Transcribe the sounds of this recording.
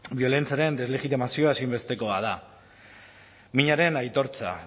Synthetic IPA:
bio̞le̞nt͡siaɾe̞nd̪e̞zle̞ɣit̪imasioasimbe̞st̪e̞ko̞að̞a | miɲaɾe̞najt̪o̞ɾt͡sa̰

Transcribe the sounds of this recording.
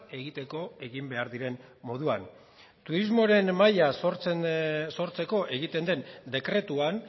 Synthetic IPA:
e̞ɣit̪e̞ko̞e̞ɣimbe̞aɾðiɾe̞nmo̞ð̞uan | t̪uɾizmo̞ɾe̞nmajasoɾ | so̞ɾt͡se̞ko̞ʔe̞ɣit̪e̞nd̪e̞nd̪e̞kɾe̞t̪uan

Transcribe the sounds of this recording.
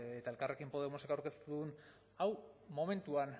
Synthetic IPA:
et̪ae̞lkare̞kimpo̞ð̞e̞mo̞se̞kawɾke̞st̪uððun | awmo̞me̞nt̪uan

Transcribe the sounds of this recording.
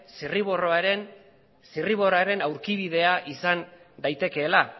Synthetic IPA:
siriβoroaɾen | siriβ̞o̞roaɾe̞nawɾkiβ̞iðe̞aʔisan | d̪ajt̪e̞ke̞ːla

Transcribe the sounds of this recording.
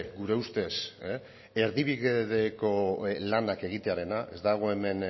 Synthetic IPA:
ɡuɾe̞ust̪e̞s | e̞ɾðiβiɣeðeko̞lanake̞ɣit̪e̞aɾe̞naʔezd̪aɣ̞o̞e̞me̞n

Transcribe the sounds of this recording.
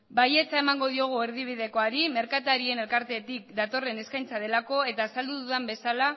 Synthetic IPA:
baje̞t͡saemaŋɡo̞ðio̞ɣ̞ue̞ɾðiβ̞iðe̞ko̞aɾime̞ɾkat̪aɾie̞ne̞lkaɾt̪e̞t̪ik̚d̪at̪o̞re̞ne̞skajnt͡saðe̞lako̞e̞t̪aːsald̪uðuðambe̞sala

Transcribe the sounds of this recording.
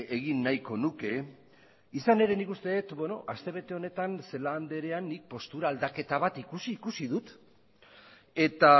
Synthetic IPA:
eɣinːajko̞nuke̞ | isane̞ɾe̞nikust̪e̞ːt̪be̞no̞̰ʔast̪e̞β̞e̞t̪e̞o̞ne̞t̪anse̞laːnd̪e̞ɾe̞anːik̚po̞st̪uɾaːld̪ake̞t̪aβ̞at̪ikusiːkusiðut̪ | e̞t̪a

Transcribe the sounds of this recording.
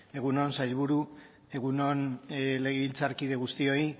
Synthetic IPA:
e̞ɣ̞uno̞nsajlβuɾu | e̞ɣ̞uno̞nle̞ɣeβilt͡saɾkiðe̞ɣ̞ust̪io̞i

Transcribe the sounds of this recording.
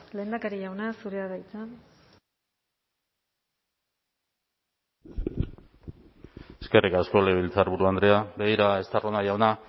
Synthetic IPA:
le̞ːnd̪akaɾiʝawnasuɾeaðajt͡s̪an | eske̞rikasko̞leβilt͡saɾβuɾuand̪ɾe̞abeɣiɾae̞st̪aronaʝawna

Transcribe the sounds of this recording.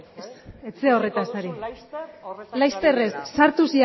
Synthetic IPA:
set͡seore̞t̪asaɾi | lajst̪e̞re̞sːaɾt̪usi

